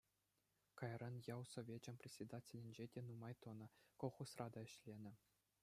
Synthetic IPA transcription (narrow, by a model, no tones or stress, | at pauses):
kɑjrʔɑnjɑwsovʲed͡ʑɘ̆mʲpʲrʲesʲed̪atʲelʲɘ̆nʲd͡ʑedʲenumɑjt̪ŏnɤ̆koχusrɑd̪ɑɘ̆ɕlʲenʲɘ̆